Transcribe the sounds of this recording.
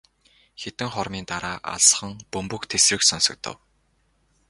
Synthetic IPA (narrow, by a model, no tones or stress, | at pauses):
xet̪ɘ̆ŋχɔɾmiːnt̪aɾaːʔa̰ɮs̆χə̆ŋpɵmpɵ̆kt̪ʰesrɘ̆ksɔnsɞ̆k̚t̪ʰə̰̆w